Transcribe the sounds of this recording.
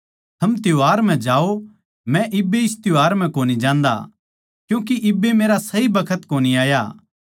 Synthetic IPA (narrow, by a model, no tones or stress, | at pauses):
t̪ʰɐmt̪ɪjoaːɾm̤ɛ̃d͡ʒaːo | mɛ̃ʔɪbːeɪst̪joaːɾm̤ɛ̃koːnid͡ʒãːnd̪a̰ | kjũːk̬iʔɪbːemeːɾasɐibɐkʰət̪koːniaːja̰ː